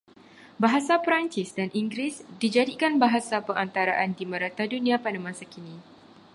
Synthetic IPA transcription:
baɦasapɾant͡ʃisdaniŋɡɾisdid͡ʒadikanbaɦasapəŋʔant̪aɾaʔandimə̃ɾat̪adunĩapanamãsakini

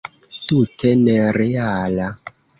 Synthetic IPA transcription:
tutʰɛnɛɾeaːla

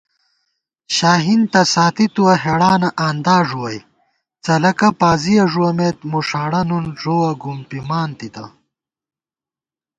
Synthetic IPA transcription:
ɕaːɦint̪ɐsaːt̪it̪uɐɦeɽaːnɐʔaːnd̪aːʐuwɐj | t͡sɐlɐkɐpaːzijɐʐuwɐmet̪muʂaːɽɐnunʐoːwɐɡumpimaːnt̪it̪ɐ̰

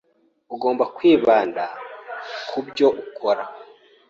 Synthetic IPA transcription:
uɡo̞ːmbakwiːβaːnda | kʰubjo̞ʔukʰoɾa

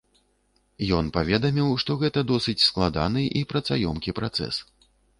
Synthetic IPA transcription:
jɔnpavʲɛd̪ɐmʲiwʂt̪ɔɣɛt̪ɐd̪ɔsɨt͡sʲsklˠad̪a̰n̪ɨʔipɾɐt̪sajɔ̰mkʲipɾat̪sɛ̰s

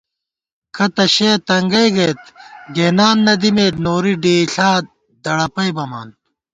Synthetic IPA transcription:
kʰɐt̪ɐɕeːt̪ɐŋɡɐjɡɐt̪ɡeːnaːnːɐd̪imeːnoːɾiɖeːɬaː | d̪ɐɽɐpɐjbɐma̰ːn

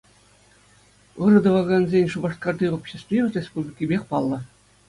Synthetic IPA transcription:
ɯrɤ̆d̪ɤ̆ʋɑɡɑnzʲenʲʂubɑʂt̪̚kɑrd̪ʲiopɕĕsʲt̪vʲiʋʲɤ̆rʲespublʲikʲibʲexʲpɑlˠːɤ̆

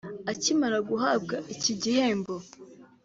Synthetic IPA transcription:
acimaɾaɡuɦaːbɡaʔiciɟihe̞ːmbo̞

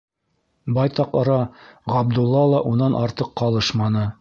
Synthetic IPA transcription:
bɑjt̪ɑqɤ̆ɾɑʁɑb̚d̪ulˠːɑlˠɑʔunɑnʔɑɾt̪ɤqːɑlˠɤʃmɑnɤ

